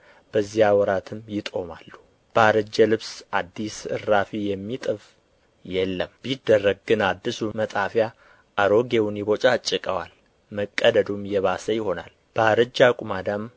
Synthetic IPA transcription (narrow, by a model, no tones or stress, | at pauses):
b̥əzːijawɔɾat̪ʰɨmjɪt̪ʼo̞malːu | b̥əaɾəd͡ʒːəlɨβsʔad̪ːisɨ̰rːafijɛmːit̪ʼɨf | jɛlːəmbid̪ərːəɡɡɨnad̪ːɨsumət̪ʼafja | ʔaɾoɡewunjibo̞t͡ʃʼat͡ʃʼːɨkʼəwal | məkʼːəd̪əd̪umjɛβasəjɪho̞na̰l | b̥əaɾəd͡ʒːakʼumad̪am